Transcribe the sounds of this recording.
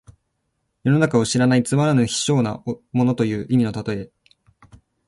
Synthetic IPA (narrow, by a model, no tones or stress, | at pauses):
jo̞no̞nakao̞ɕiɾanait͡sɨmaɾanɯçi̥ɕo̞ːna̰mo̞no̞t̪o̞jɯ̟ːʔimʲino̞t̪at̪o̞e̞